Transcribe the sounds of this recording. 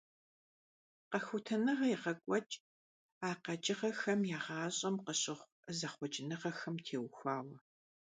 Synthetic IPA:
qɐxʷʊtʰɐnɨʁɐjɪʁɐkʷʼɔt͡ʃʼ | aːqɐt͡ʃʼɪʁɐxɐmjaːʁɑːɕʼɐmqəɕʼɪʁʷ | zɐχʷɔt͡ʃʼɪnɨʁɐxɐmtʰeːwxʷaːwɐ

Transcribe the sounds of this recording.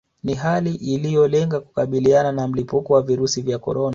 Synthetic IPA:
niɦaliʔilijɔlɛŋɡaku̥kaɓiliananam̩lipukɔwaviɾusivjakɔ̰ɾɔna

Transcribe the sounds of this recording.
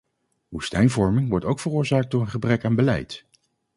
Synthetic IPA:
ʋustɛjnvɔɹmɪŋʋɔɹtowkfərʊːɹzaːk̚dʊːɹənχəbrɛkaːnbəlɛ̰jt

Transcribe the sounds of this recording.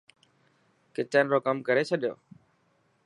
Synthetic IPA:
kɪt͡ʃənɾoːkəmkəɾeːt͡ʃʰəɗɪjo̰ː

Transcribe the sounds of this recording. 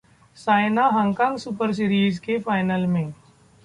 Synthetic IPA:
saːɪnaɦãŋkãːŋɡsupəɾs̬ɪɾiːzkefaːɪnəlmẽː

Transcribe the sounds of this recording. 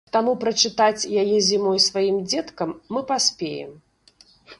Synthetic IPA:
t̪amupɾɐt͡ʂɨt̪at͡sʲjajɛzʲimɔjsvajimd͡zʲɛt̪kɐmːɨpasʲpʲejɛ̰m

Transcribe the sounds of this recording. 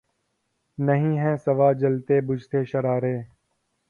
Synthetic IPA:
nəɦĩːɦɛ̃ːsəʋaːd͡ʒəlt̪eːbʊd͡ʒt̪ʰeːʃəɾaːɾeː

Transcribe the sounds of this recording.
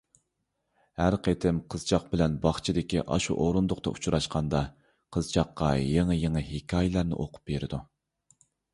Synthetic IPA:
hæɾqʰet̪ʰɪmqʰəz̥t͡ʃʰɑq̚bɪlɛnbɑχt͡ʃʰid̪ɪkʲḭʔɑ̰ʃṵʔoɾund̪ʊqt̪ɑ̰ʔut͡ʃʰuɾɑʃqʰɑnd̪ɑ | qʰəzt͡ʃʰɑqːɑjeŋɨjeŋɨhikʲʰɑːjɪlˠɑɾnɨ̰ʔoqʰʊ̥p̚beɾɪd̪u

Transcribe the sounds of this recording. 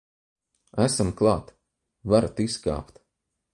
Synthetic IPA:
æsamklˠɑːt̪ | vaɾat̪iska̰ːpt̪

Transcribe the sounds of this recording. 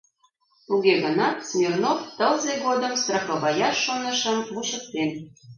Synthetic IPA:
t̪uɣeɣə̆nɑt̪smʲirnoft̪əlzeɣod̪əmst̪rɑxŏβɑjɑʃːonə̆ʃəmvuɕə̆k̚t̪en

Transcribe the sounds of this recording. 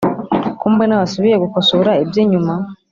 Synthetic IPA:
kuːmbenawasuβiɾeɡukosoɾaebjeːɲuma

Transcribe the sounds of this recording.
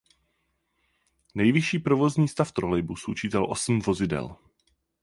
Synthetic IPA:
nɛjvɪʃiːpɾovo̞zɲiːst̪aft̪ɾolɛjbusʔut͡ʃiːt̪ɛlʔosm̩vo̞zɪdɛ̰l

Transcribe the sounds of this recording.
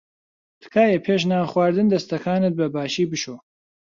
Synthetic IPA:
t̪ʰɨ̥kʰaːjɛpʰeːʃ̬naːχwaːɾd̪ɨnd̪ɐst̪ɐkʰaːnɨt̪̚bɐbaːʃiːbɨʃo

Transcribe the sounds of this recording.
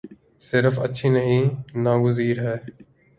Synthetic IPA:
sɪɾfə̰tːʃʰiːnəɦĩːnaːɡʊziːɾɦɛː

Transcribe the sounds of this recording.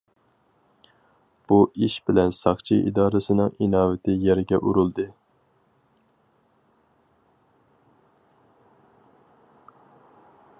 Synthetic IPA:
b̥uʔiʃbɪlɛnsɑχt͡ʃʰiʔḭd̪ɑːɾɨsɨnɨŋinɑːvɪt̪ʰɪjɛɾɪɡʲɛʔuɾulˠd̪ɨ

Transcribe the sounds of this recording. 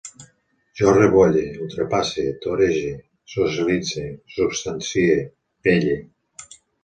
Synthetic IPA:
ʒɔreβɔʎeult̪ɾepaset̪oɾeʒe | sosilid͡zesubst̪ansie | peʎe

